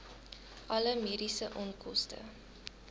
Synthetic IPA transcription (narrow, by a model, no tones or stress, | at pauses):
ʔɐləmeːɾisəʔɔnkɔstə̰